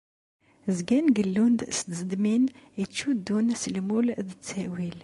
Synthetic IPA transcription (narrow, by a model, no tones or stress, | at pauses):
zɡænɡəlːund̪ʔsd̪zd̪minit̪ʃud̪unsəlmuld̪ət̪ːæwil